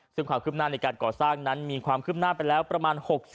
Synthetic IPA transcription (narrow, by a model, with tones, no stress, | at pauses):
sɯ˥˩ŋkʰwaː˧mkʰɯː˥˩naː˥˩na˧jkaː˧nkɔː˨˩saː˥˩ŋna˦˥nmiː˧kʰwaː˧mkʰɯː˥˩p̚naː˥˩pa˧jlɛː˦˥wpɾa˧maː˧nho˨˩k̚